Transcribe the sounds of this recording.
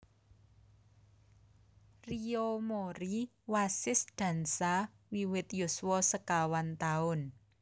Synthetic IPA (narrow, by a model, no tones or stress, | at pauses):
riomoɾi | wasɪsd̪̥ä̤nsa | wiwɪt̪juswɔsəkawant̪aʊn